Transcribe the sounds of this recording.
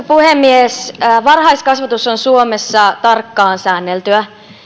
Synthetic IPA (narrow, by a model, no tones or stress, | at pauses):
puhemːiesːʋɑrhɑiskɑsʋɑt̪usonsuomesːɑt̪ɑrkːɑːnsæːnːelt̪yæ